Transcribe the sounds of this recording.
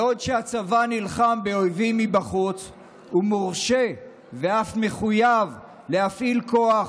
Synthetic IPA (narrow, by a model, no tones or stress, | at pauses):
o̞dʃeat͡savanilχambeo̞jvimːibaχut͡s | umoʁʃe | veafme̞χujav | le̞hafʔilko̞a